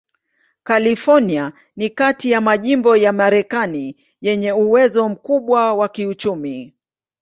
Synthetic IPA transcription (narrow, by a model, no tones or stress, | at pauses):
kalifɔnia | nikatijamaʄimbɔjamaɾɛkani | jɛɲɛuwɛzɔm̩kuɓwawakiut͡ʃumi